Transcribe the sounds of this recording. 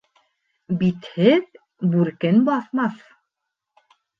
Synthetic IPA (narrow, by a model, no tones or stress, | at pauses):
bit̪hɘð | bʉɾkɘnbɑθmɑθ